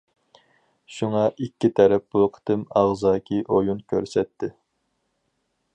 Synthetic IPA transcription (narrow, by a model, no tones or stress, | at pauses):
ʃuŋɑʔikʲːit̪ʰɛɾɛp̚buqʰə̥t̪ɪmɑʁzɑːkʲʰiʔojunkʲʰø̰ɾsɛt̪ʰːɪ